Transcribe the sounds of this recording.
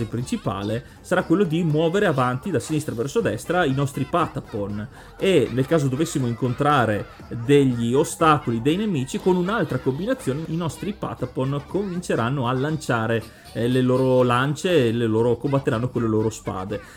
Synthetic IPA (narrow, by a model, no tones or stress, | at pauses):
epɾint͡ʃipa̰ːle | saɾakwelːod̪imwɔːveɾeavant̪id̪asinist̪ɾavɛrsod̪ɛst̪ɾainɔst̪ɾipat̪apon | enelkaːzod̪ovesːimoiŋkont̪ɾaːɾe | d̪eʎːiost̪aːkolid̪ejnemiːt͡ʃikonunalt̪ɾakombinat̪sːjoːneinɔst̪ɾipa̰t̪aponkomvint͡ʃeɾanːoalːant͡ʃaːɾe | leloːɾolant͡ʃeleloːɾokombat̪ːeɾanːokonlːeloːɾospa̰ːd̪e